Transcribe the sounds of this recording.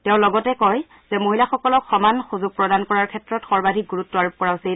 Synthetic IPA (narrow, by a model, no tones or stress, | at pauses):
tɛʊ̃lɔɡɔtɛkɔj | z̥ɛmoɦilaxɔkɔlɔkxɔmanxuzuɡ̚pɹɔdankɔɹaɹkʰɛtɹɔtxɔɹbadʱik̚ɡuɹutːɔaɹup̚kɔɹaʊsil